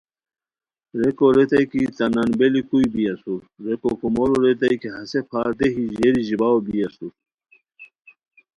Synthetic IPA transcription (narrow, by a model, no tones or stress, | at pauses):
ɾekoɾet̪ɐjkit͡sɐnanbelikujbijɐsuɾ | ɾekokumoɾuɾet̪̬ɐjkeɦɐsepʰaːɾd̪eɦiʑeɾiʑibawobiɐsuɾ